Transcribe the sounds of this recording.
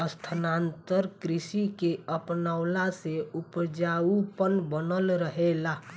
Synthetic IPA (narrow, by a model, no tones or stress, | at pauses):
əst̪ʰənant̪əɾkɾisikeəpnaʊlaseupd͡ʒaupənbənəlɾəɦela